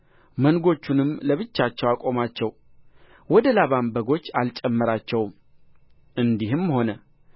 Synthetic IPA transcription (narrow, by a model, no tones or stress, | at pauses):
mənɡo̞t͡ʃːunɨmːləβɨt͡ʃːat͡ʃːɛwakʼo̞mat͡ʃːɛw | wɔd̪əlaβambəɡo̞t͡ʃːalt͡ʃʼɛmːəɾat͡ʃːɛwm | ʔɨnd̪ihɨmho̞nə